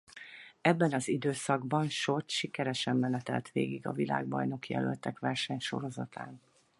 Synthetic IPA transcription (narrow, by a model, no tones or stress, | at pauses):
ɛbːɛnɒzid̪øːsɒɡbɒnʃot̪ʃikɛɾɛʃɛmːɛnɛt̪ɛ̰lt̪ʋeːɡiɡɒ̰vila̰ːɡbɒ̰jno̞kjɛ̰lølt̪ɛkʋɛrʃɛɲʃo̞̰ɾo̞zɒt̪a̰ːn